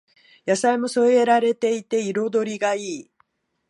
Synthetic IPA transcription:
jasaimo̞so̞eeɾaɾe̞t̪e̞it̪e̞iɾo̞d̪o̞ɾʲiɡaiː

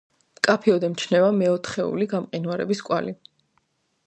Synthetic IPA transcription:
mkʼapʰiɔd̪ɛmt͡ʃʰnɛvamɛɔt̪ʰχɛṵliɡamqʼinwaɾɛ̰biskʼwali

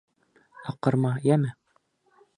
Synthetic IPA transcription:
ɑqːɤ̆ɾmɑjæmɘ

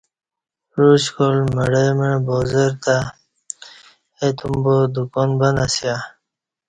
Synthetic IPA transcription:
ɾuɕkolməɽemebozeɾt̪a | et̪umbod̪ukɔnbanasja

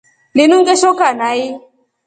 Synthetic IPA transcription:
linuŋɡɛʃɔkanai

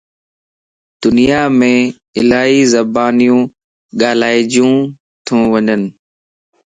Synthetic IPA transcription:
d̪̥ʊnijaːmẽː | ɪlaːiːzəbaːnijũː | ɠaːlaːɪd͡ʒjũː | t̪ʰũːʋəɲənɪ

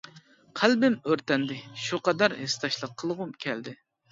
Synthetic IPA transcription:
qʰælbɪmøɾt̪ɛnd̪ɪʃuqɑd̪ɑɾhest̪ɑʃlˠəqʰːəlˠʁumkʲʰɛld̪ɪ

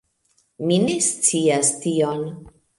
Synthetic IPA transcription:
mine̞st͡siastijon

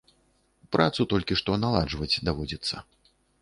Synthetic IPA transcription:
pɾʔat̪sut̪ɔlʲkʲiʂt̪ɔnalˠad͡ʐvɐt͡sʲd̪avɔd͡zʲɐt̪sːɐ̰

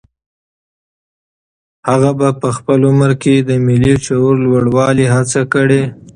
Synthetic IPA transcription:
haɣabapəxpəlʊməɾked̪əmɪlit͡ʃauɾlwəɽwɑliɦat͡sakəɽe

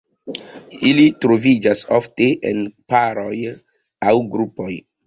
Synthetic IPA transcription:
ilitɾovid͡ʒasofteʔḛnpaɾo̞j | awɡɾupoj

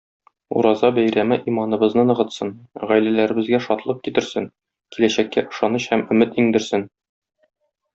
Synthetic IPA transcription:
ṵɾɑzɑbæjɾæmɘʔimɑnɤ̆bɤ̆znɤnɤ̆ʁɤ̆t̪sɤnʁæjlælæɾɘ̆bɘ̆zɡæʃɒt̪lˠɤp̚kit̪ɘ̆ɾsɘŋ | kilæɕækːæ̰ʔɤ̆ʃɑnɤɕhæmɵ̆mɘt̪iŋd̪ɘ̆ɾsɘn

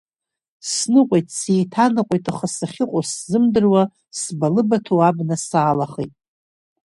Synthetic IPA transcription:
snɨqʷʼojtʼsejtʰanɨqʷʼojtʼaχasaχʲɪqʷʼoszɨmdɨrwa | sbalɨbatʰowabnasaːlaχejtʼ

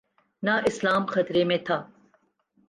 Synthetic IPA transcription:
naʔɪslaːmxɐt̪ɾemẽt̪ʰaː

